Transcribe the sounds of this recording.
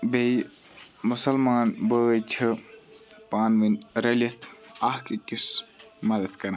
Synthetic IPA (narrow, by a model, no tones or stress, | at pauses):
bej | musɐlmaːnbəət͡ʃʰɨ | paːnʋɨnɾɐlit̪ʰɐhkikismɐd̪ɐd̪kɐɾa